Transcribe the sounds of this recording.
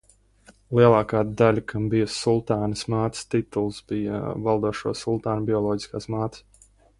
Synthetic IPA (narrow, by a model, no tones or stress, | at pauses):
lˠiɛlˠaːkaːd̪alʲakʰambijɐsulˠt̪aːnəsmaːt̪st̪it̪ulˠsbija̰valˠd̪uɔʃuɔsulˠt̪aːnbʲiɔlˠɔːɟi̥skaːsmaːt̪s